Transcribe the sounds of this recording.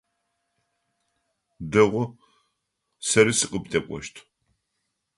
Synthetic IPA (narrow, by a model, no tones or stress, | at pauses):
dɐʁʷʊ | sɐɾɨsɨqʼəptʰʼɐkʷʼɔ̰ʃtʰ